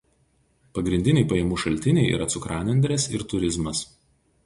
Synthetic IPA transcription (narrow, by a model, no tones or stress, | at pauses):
pɐɡɾʲɪnʲd̪ʲɪnʲɛɪpɐjɛmuːʃɐlʲt̪ʲɪnʲɛɪḭːɾʔɐt̪sʊkɾɑːnʲɛnʲd̪ʲɾʲesɪɾt̪ʊɾʲɪzmɐs